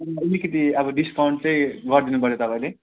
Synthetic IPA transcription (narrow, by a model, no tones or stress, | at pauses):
ʌlikʌt̪iʌbʌɖiskawɳʈ̚t͡sʌ̃j̃ɡʌrd̪inupʌɾjot̪ʌpãĩle